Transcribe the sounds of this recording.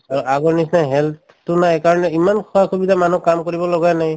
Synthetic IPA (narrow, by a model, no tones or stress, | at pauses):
aɹʔaɡɔɹnisnaɦɛlt | tʊnajkaɹɔnɛimankʰɔakʰubidamanukamkoɹibɔlɔɡajnaj